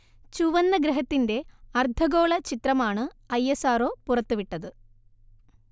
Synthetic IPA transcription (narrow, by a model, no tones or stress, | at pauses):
t͡ɕuʋɐnːɐɡɾɐɦɐt̪ːinde̞ɐrd̪ʱɐɡo̞ːɭɐt͡ɕit̪rɐmaːɳɨɐjesaːɾo̞ːpurɐt̪ːuʋiʈːɐðɨ